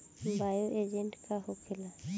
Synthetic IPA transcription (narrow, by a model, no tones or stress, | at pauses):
bajoʔed͡ʒɛ̃ɳʈkaɦokʰela